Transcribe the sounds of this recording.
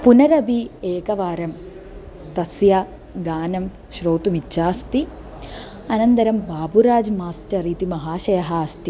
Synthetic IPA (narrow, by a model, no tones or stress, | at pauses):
punɐɾɐbʱieːkɐʋaːɾɐm | t̪ɐsja | ɡaːnɐm | ʃɾoːt̪umit͡ʃːaːst̪i | ɐnɐnt̪ɐɾɐmbaːbuɾaːd͡ʒmaːsʈɐɾiːt̪imɐɦaːʃɐjɐɦaːst̪i